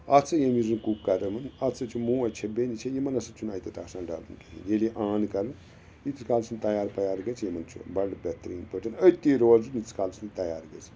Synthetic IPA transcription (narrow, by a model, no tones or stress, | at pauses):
ɐt͡sʰɨjemizɨnkukːɐɾɐmɐnɐt͡sʰɨt͡ʃʰumuːɐt͡ʃʰɐbenit͡ʃʰejimɐnɐsɐt͡ʃʰunaːjit̪ɐt̪ɐksaːnɖa̰ːlɨnkeɦḭnjeleʔãːnkɐɾɨn | it̪skaːlsɨnt̪ɐjaːɾpɐjaːɾɡɐt͡sʰjimɐnt͡ʃʰṵbɐɽbʲɐt̪ɾiːnpəʈɐnət̪ːiːɾoːlzunit͡skaːlsʰɨnt̪ɐjaːɾɡɐt͡sʰ